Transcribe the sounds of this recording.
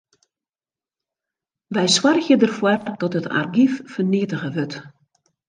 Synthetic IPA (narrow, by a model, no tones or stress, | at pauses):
ʋɛjswarxjədərfwɔdɔtətʰa̰rɡiffərniətəɣəʋøt